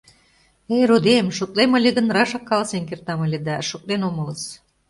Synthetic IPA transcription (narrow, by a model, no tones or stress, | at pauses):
eɾud̪emʃok̚leməlʲeɣə̆nrɑʃɑkːɑlsenkert̪ɑmɤlʲĕd̪æʃok̚lenomɤ̆lə̆s